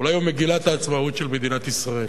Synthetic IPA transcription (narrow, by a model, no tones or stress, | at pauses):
ulajumeɡilat̪aːt͡smaut̪ʃelme̞d̪inat̪isʁael